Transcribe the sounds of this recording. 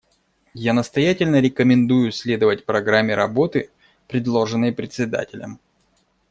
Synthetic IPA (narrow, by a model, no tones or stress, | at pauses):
janəst̪ɐjatʲɪlʲnəɾʲɪkəmʲɪnd̪ujʊsʲlʲe̞d̪əvətʲpɾɐɡɾamʲːɪɾɐbo̞t̪ɨ | pɾʲɪd̪lˠo̞ʐɨnːəjpɾʲɪt̪sʲɪd̪a̰tʲɪlʲə̰m